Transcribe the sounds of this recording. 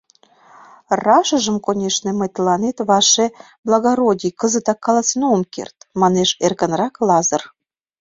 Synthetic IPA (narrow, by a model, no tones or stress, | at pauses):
rɑʃə̆ʒə̆mkonʲeʃnĕməjt̪əlɑnet̪βɑʃe | blˠɑɣɑɾodʲikəzət̪ɑkːɑlɑt͡snoəmkḛrt̪mɑneʃerkə̆nrɑklɑzə̆r